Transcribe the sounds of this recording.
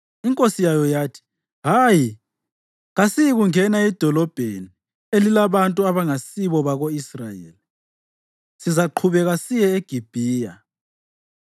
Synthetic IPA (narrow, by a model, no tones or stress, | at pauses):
iŋkʼosijajɔjaːtʰi̥ | ɦaːji | ɣasijiɣuŋɛnaɛd̥ʱɔlɔb̥ʱḛni | elilaβantʼuaβaŋasiβɔβaɣoisrajḛːli | sizaǃʰuβɛɣasijɛeɡ̥ʱib̥ʱiːja̰